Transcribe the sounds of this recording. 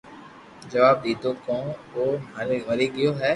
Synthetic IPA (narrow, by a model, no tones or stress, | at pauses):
d͡ʒɐʋaːb̚d̪iːd̪õːkõːʋoːmaːɾeʋɐɾiːɡɪjoːɦɛː